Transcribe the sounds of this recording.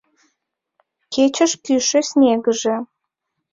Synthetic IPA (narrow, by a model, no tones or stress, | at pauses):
ket͡ɕə̆ʃkyʃesʲnʲeɡəʒĕ